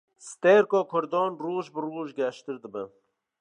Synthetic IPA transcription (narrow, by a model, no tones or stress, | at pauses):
st̪eːɾkɔːkʰʊɾd̪ɔːnruːʒbɨruːʒɡɛʃt̪ɨɾd̪ɨbə